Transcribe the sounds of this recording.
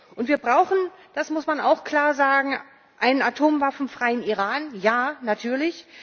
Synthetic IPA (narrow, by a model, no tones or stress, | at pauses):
ʔʊntv̥iːɐbʁaʊxn̩d̥asmʊsmana̰ʊxkl̥aːɐzaːɡŋ̩ | ʔaɪnənatʰoːmvafn̩fʁ̥aɪəniʁaːnjaːnatʰyːɐlɪç